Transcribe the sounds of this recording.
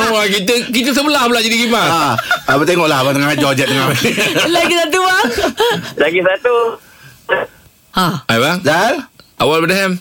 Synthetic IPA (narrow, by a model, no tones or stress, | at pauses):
akit̪əkit̪əs̬əbəlahbəlaʔd͡ʒadiɡimaaabat̪ɛŋɔʔlahbat̪əŋaad͡ʒɔd͡ʒɛt̪̚ːəŋalaɡisat̪ua | laɡisat̪u | aajbaŋzalʔawalbədəɦɛm